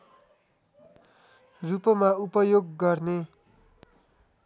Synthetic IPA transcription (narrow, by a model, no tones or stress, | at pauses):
rupʌmaupʌjoɡːʌrne